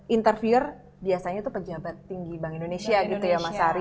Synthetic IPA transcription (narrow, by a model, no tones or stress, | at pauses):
ʔint̪ərfiʊr | biasaɲat̪upəd͡ʒabat̪ːiŋɡibaŋindonesiaɡit̪ujamasaɾ